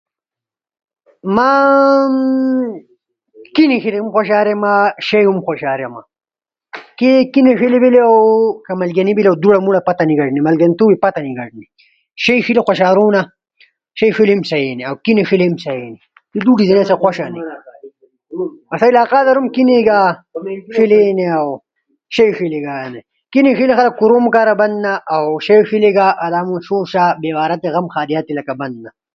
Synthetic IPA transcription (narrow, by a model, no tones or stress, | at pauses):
ma | kinixiliumxʷoʃ̬aːɾemaʃejɦumxʷoʃaːɾjema̰ | kekineʂilibileawkɐmɐlɡɐnibilawd̪uɽamuɽapɐt̪ɐniɡɐʈnimɐlɡɐnt̪uːwipɐt̪aniɡɐʈni | ʃejʂilixʷaɕaːɾuna | ʃɐjʂilemsɐjeːneawkineʂilemsɐjeːne | t̪id̪uʈizɐnesaxʷwaʃaːni | mɐsailaːqaːd̪ɐɾumkineɡaːʂileneaw | ʃɐjʂileɡane | kinexilixɐlɐk̚kːuɾoːmukaːɾabɐnd̪naʔawʃɐjʂileɡaːʔad̪aːmuʃuʃaːbeːwaːɾɐt̪eɣɐmxaːd̪ijaːt̪ːilɐkabɐnd̪̚na